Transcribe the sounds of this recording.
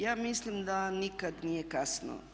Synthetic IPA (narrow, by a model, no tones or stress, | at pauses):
jaːmislimd̪anikad̪nijekasno̰